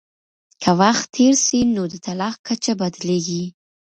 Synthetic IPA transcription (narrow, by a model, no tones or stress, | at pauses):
kʰəwaxt̪ʰːeɾʃinod̪ət̪alɑxkat͡ʃabad̪leɡi